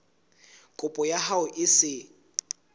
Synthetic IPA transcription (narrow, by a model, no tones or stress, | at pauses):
kʼʊpʼɔjahaʊʔɪsɪ